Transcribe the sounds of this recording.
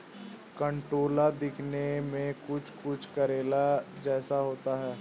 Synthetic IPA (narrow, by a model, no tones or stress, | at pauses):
kə̃ɳʈɾoːlad̪ɪkʰnemẽkʊt͡ʃʰkʊt͡ʃʰkɐɾeːlad͡ʒɛːsaɦoːt̪aɦɛː